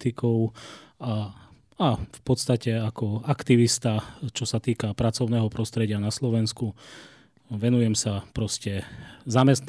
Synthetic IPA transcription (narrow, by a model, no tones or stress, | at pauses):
t̪ikɔʊa | afpɔt̪st̪acɛakɔakt̪iʋist̪at͡ʃɔsat̪iːkapɾat͡sɔʊnɛːɦɔpɾɔst̪ɾɛɟɪanaslɔʋɛnsku | ʋɛnujɛmsapɾɔscɛzamɛst̪